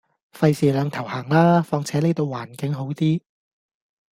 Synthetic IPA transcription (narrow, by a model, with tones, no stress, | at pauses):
fɐ˧jsiː˨˩lœː˨˧ŋt̪ʰɐ˨˩whaː˨˩ŋlaː˥fɔː˧ŋt͡sʰɛː˨˥le˨˧jt̪o˧waː˨˩nkɪ˨˥ŋɦo˨˥wt̪iː˥